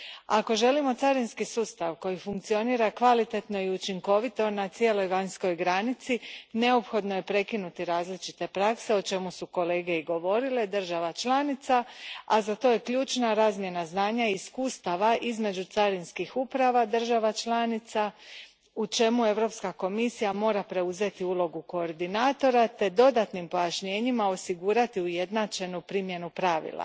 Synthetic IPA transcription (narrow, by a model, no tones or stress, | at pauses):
ako̞ʒe̞limo̞t̪saɾinskisuːst̪aʋko̞jifuŋkt̪sio̞niːɾakʋalit̪e̞t̪no̞iut͡ʃiŋko̞ʋit̪o̞nat̪sije̞lo̞jʋaɲsko̞jɡɾanit̪sine̞o̞pxo̞d̪noje̞pɾe̞kinut̪iɾaːzlit͡ʃit̪e̞pɾakse̞o̞t͡ʃe̞musuko̞le̞ːɡe̞iɡo̞ʋo̞ɾile̞d̪r̩ʒaʋat͡ʃlˠaːnit̪saazat̪o̞je̞kʎuːt͡ʃnaɾaːzmje̞naznaːɲaiiskuːst̪aʋaʔizme̞d͡ʒut̪saɾinskixupɾaʋad̪r̩ʒaʋat͡ʃlˠaːnit̪sa | ut͡ʃe̞mue̞ʋɾo̞pskako̞misijamo̞ːɾapɾe̞uze̞t̪iulˠo̞ɡuko̞ːɾd̪inaːt̪o̞ɾat̪e̞d̪o̞d̪at̪nimpo̞jaʃɲe̞ːɲimao̞siɡuːɾat̪iuje̞d̪naːt͡ʃe̞nupɾimje̞nupɾaʋḭlˠa̰